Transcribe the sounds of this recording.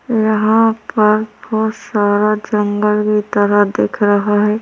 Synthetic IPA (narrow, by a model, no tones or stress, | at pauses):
jɐɦãpɐɾbɔːt̪saːɾad͡ʒɐŋɡəlkit̪ɐɾəɦd̪eːkʰɾɐɦaɦɛː